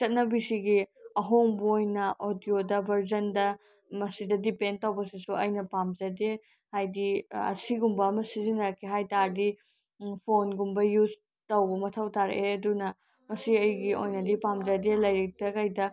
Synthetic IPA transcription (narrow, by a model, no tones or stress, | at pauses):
t͡ʃɐt̚nɐbisiɡiɐɦoŋbɐojnɐʔodiodɐbʱɐɾzɐndɐ | mɐsidɐdipendtɐwbɐsisuɐjnɐpamd͡ʒɐde | hajdiɐ̰siɡumbɐːmɐsizinɐɾkʰeɦajtaɾdi | pʰonɡumbɐjuz | tɐwbɐmɐtʰɐwtʰaɾ̰eɐdunɐ | mɐsiɐjɡiojnɐdipamd͡ʒɐdelɐjɾik̚tɐkɐjdɐ